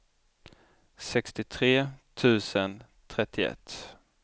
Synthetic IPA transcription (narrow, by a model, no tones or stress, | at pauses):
sɛkst̪ɪt̪ʰɾeːt̪ʰʉ̟ːsən | t̪ʰɾɛt̪ʰːɪɛ̰t̪ː